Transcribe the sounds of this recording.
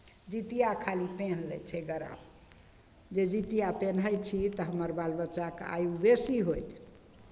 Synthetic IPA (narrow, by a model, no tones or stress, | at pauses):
d͡ʒit̪ijakʰalipenlət͡ʃʰɛɡəɾa̰b | d͡ʒed͡ʒit̪ijapenɦəjt͡ʃʰit̪əɦəməɾbalbətːt͡ʃaka̰jubesiɦojt̪